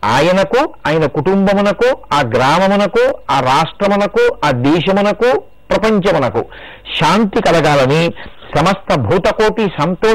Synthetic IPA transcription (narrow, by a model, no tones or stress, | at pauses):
a̰ːjɐnɐkuaːjɐnɐkuʈumbɐmunɐkuaːɡɾaːmɐmɐnɐkuaːɾaːʂʈɾɐmɐnɐkuaːd̪ɛːʃɐmunɐku | pɾɐpɐɲt͡ʃɐmɐnɐkṵ | ʃaːnt̪ikɐlɐɡaːlɐnisɐmɐst̪ʰɐbʱuːt̪ɐkoːʈisɐnt̪oː